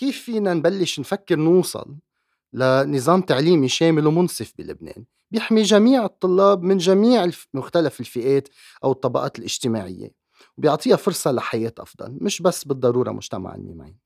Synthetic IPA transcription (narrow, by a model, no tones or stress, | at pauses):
kiːfːiːnanbalːɪʃnfakːɪɾnuːsˤɑ̰lː | anɨzˤɑːmt̪aʕliːmiʃeːmɪlwmʊnsˤɨfbḭlʊ̰bnḛːn | bjɪħmiʒamiːʕɨt̪ˤːʊlːɑːbmɪnʒamiːʕɪmʊxt̪alafɪlfɪʔeːt̪ | ʔawɨt̪ˤːɑbɑʔɑ̰ːt̪ɪlʔɪʒt̪ɪma̰ːʕɪ̰jːḛ | wbjʊʕt̪ˤiːɑfʊɾsˤɑlaħajeːt̪ʔɑ̰fd̪ˤɑ̰lmɪʃbasːbɨd̪ˤːɑɾuːɾˤɑ̰mʊ̰ʒ̥t̪ama̰ʕɪ̰nːḭːma̰